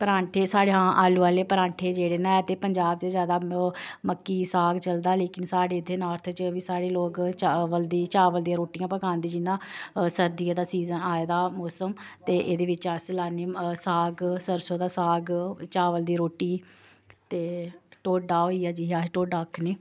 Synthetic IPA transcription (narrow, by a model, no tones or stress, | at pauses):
pəɾaːɳʈʰeːsaːɽeːɦãːʔaːluːaːleːpəɾãːɳʈʰeːd͡ʒeːɽeːnãːɛt̪eːpəɲd͡ʒaːbd̪eːzjaːd̪aːməkːiːsaːɡt͡ʃəld̪aːleːkɪnsaːɽeːd̪ʰeːnaːɾt̪ʰət͡ʃʋiːsaːɽeːloːkt͡ʃʋəld̪iːt͡ʃaːʋəld̪iãːɾoːʈijãːpəkãːnd̪iːd͡ʒɪnːãːsəɾd̪iaːd̪aːsiːzənaːed̪aːmoːsəmt̪eːʔeːd̪eːʋɪt͡ʃãːsəlaːneːsaːɡsəɾsõːd̪aːsaːɡt͡ʃaːʋəld̪iːɾoːʈiː | t̪eːʈoːɖaːoiːaːd͡ʒiːaːɦeʈoːɖaːkʰneː